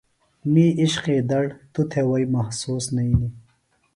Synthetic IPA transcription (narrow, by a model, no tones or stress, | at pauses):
miiɕqiːd̪ɐɽt̪ut̪ʰewɐjmɐhsuːsnɐini